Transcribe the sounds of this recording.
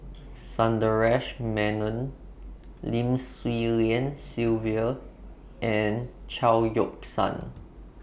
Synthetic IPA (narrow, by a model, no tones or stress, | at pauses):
sãndəɹɛʃmɛ̃nə̃n | lĩmswiliə̃nsilviə | ʔɛ̃nt͡ʃaljɔksã̰n